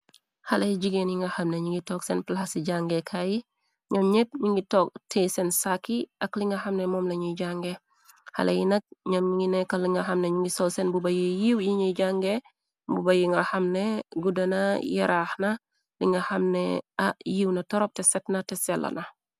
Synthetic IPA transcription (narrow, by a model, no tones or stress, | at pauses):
hɐlɐjiɟiɡenjiŋɡɐhɐmneɲiŋɡitɔksɛnplahasiɟaŋɡekʰaji | ɲɐmɲep̚ɲiŋɡitɔːk̚tʰeːsɛnsakːiʔɐkliŋɡɐhɐmnɛmɔmlɐɲiɟaŋɡe | hɐ̰lɐ̰jinɐk̚ɲɐmɲŋɡinɛkːɐliŋɡɐɦɐmneɲiŋɡisɔlsɛnbubɐjijiwjiɲiɟaŋɡe | bubɐjiŋɡɐhɐmneɡudɐnɐjɐɾaːxnɐ | liŋɡɐhɐmnɛ̰ɐjiwnɐtɔɾɔp̚tɛsɛtnɐtɛsɐlʔɐ̰nɐ